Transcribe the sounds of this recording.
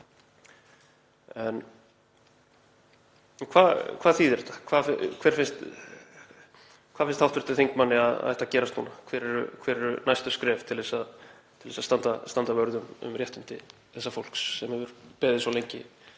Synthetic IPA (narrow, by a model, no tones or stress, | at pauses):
ɛn | nkʰvaːðkʰvaːðθiːðɛɾɛht̪ːḁkʰvaːðfɪkʰvɛːɾ̥fɪnst̪ | kʰvaðfɪnst̪awht̪vɪɾ̥t̪ɪθiŋkmanːɪaða̰ðɛht̪acɛːɾast̪nṵnakʰvɛːɾɛɾʏkʰvɛːɾɛɾʏnajst̪ʏskɾɛːft̪ʰɪlðɛsað | t̪ʰɪlðɛsast̪ant̪ast̪ant̪avœɾðʏmʏ̰mrjɛht̪ʏnt̪ɪ̰ | θɛsːafol̥ksːɛmhɛvʏɾpɛːðɪsɔlejɲcɪ̰